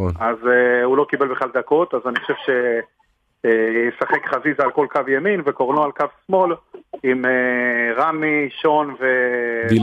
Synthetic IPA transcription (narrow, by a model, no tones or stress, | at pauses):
onazeulo̞kibe̞lbeχlald̪ako̞t̪azaniχoʃe̞vʃe̞ | jesaχekχazizalko̞lkavjeminvekoʁnoalkavsmo̞limeʁamiʃo̞nvei